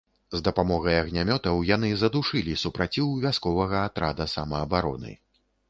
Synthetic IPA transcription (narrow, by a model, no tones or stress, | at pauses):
zd̪ɐpamɔɣɐjɐɣnʲamʲɔt̪ɐwjan̪ɨzɐd̪uʂɨlʲisupɾat͡sʲiwvʲaskɔvɐɣɐːt̪ɾad̪ɐsɐmɐːbaɾɔ̰nɨ̰